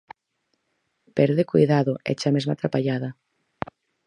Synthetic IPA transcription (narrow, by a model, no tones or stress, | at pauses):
pɛɾðekojðaðoɛ̰t͡ʃamezma̰t̪ɾapaʎaðɐ